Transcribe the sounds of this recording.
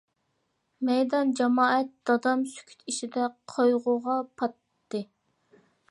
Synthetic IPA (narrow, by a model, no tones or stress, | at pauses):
mɛjd̪ɑnd͡ʒɛmɑːɛt̪̚d̪̥ɑd̪ɑmsy̥kʲʰy̥t̪ʰiʃid̪ɛqʰojʁʊʁɑpʰɑt̪ːɨ